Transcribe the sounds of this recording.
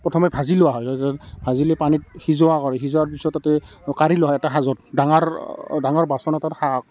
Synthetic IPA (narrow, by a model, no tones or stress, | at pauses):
pɹɔtʰɔmɛbʱazilʊwaɦɔjtɔtaɛbʱaziloɛjpanit̚hizɔakɔɹɛxizɔwaɹpisɔtːatɛ | kaɹilʊwaɦɔjɛtaxazɔtdaŋaɹdaŋɔɹbasɔnɛtathak̚